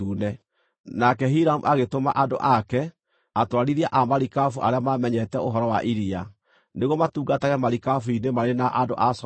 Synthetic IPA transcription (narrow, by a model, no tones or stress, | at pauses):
unɛ | nakɛɦiɾamuʔaɣetoma̰ʔado̰ʔakɛ | atwaɾiɾiaʔamaɾikafuʔaɾeamamɛɲɛtɛoɦɔɾɔwaʔiɾia | neɣwɔmatuːɡataɣɛmaɾikafuinemaɾenaʔado̰ʔas